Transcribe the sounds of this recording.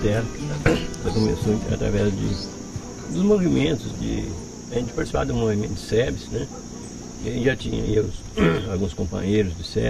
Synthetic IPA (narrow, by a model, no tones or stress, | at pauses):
ɛɾ | ɛlɐkõmesõɐ̰t̪ɾa̰vɛzd͡ʒɪ̰ | d̪ʊzmovimẽnt̪ʊzd͡ʒɪ̰ | ɐʒẽnt͡ʃɪ̥paɾt͡ʃ̪isipavɐd̪ʊ̃movimẽt̪ʊd̪ɪ̥sɛvɪsnɛ | kɪɐʒẽt͡ʃʒat͡ʃĩɲɐ̰iaɡũs | awɡũskõmpɐ̰̃ɲejɾʊzd͡ʒɪsɛ